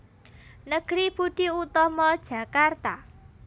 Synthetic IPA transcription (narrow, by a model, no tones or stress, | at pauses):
nəɡ̥ɾib̥uɖ̪̥i̤ut̪ɔmɔd̥ʒ̥a̤kart̪a